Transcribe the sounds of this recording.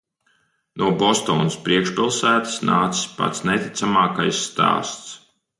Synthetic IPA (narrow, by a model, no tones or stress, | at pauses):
nʔuɔbɔst̪ɔ̰ːnuspɾiɛkʃpʲilˠsæːt̪ḁsnaːt̪si̥sʲpa̰t̪snet̪it̪samaːka̰jsːt̪a̰ːst̪s